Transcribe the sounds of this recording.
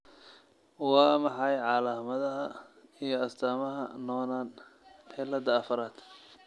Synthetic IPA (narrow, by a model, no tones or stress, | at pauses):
wɑːmɑħɑjʕɑlaːmɐðɐɦɐijɞɐst̪ʰaːmɐɦɐ̰nɔːnaːnpħɛlɐd̪ɐːfɐɾaːd̪̥